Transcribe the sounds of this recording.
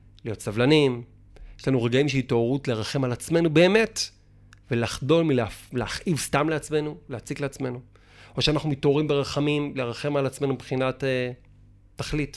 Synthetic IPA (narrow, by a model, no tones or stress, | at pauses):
lijo̞tsavlanim | jeʃlanuʁe̞ɡaimʃeitooʁutleʁaχe̞malat͡sme̞nube̞ːme̞t | velaχdo̞lmilleaχʔivstamleat͡sme̞nulehat͡sikleat͡sme̞nu | o̞ʃeanaχnumito̞ʁimbe̞ʁaχamimleʁaχe̞malat͡sme̞nubχinate | tːaχlit